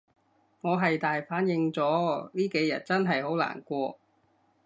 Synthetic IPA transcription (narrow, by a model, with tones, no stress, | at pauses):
ŋɔː˨˧ɦɐ˨jt̪aː˨jfaː˨˥njɪ˨˧ŋt͡sɔː˨˥liː˥ke˨˧jjɐ̰˨t̚t͡sɐ˥nɦɐ˨jho˨˥wla̰ː˨˩nkʷɔː˧